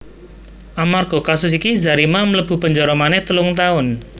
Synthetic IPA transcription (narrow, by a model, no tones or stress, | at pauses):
ʔamarɡ̥ɔ̤kasʊsikiza̤ɾimamələb̥ṳpəɲd͡ʒɔɾɔmanɛt̪əlʊŋt̪aʊn